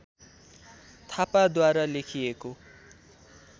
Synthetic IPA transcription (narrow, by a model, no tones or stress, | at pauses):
t̪ʰapad̪waɾalekʰieko